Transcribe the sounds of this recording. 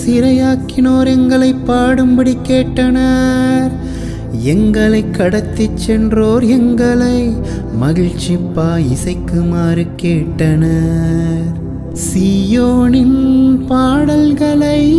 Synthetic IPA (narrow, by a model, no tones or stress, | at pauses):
sɪɾɐjaːkːɪnoːɾɛŋɡɐɭɐɪpːaːɽɯmbɐɽikːeːʈːɐnɐɾ | ɛŋɡɐɭɐɪkːɐɽɐt̪ːit͡ʃːɛndroːɾɛŋɡɐɭɐɪ | mɐɣɪɻt͡ʃːipːaːɪsɐɪkːɯmaːɾɯkːeːʈːɐnɐ | ɾ | siːjoːnɪnpaːɽɐlɣɐɭɐɪ